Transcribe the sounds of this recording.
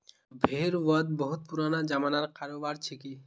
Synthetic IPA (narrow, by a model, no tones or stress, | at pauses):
bʱeɾʋəd̪̚bəɦut̪̚puɾanad͡ʒamanaɾkaɾobaɾt͡ʃʰiki